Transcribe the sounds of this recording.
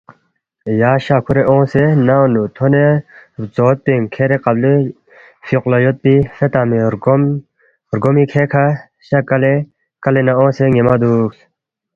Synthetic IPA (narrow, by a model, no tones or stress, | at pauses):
jaːɕaːkʰuɾeʔõːsenaõnut̪ʰonet͡soːt̪̚peŋkʰeɾeqɐbli | fiqlɐjot̪̚pifet̪aːmiɾ | ɾɡomikʰekʰa | ɕɐkɐle | kɐlenɐõːseŋemɐd̪uːks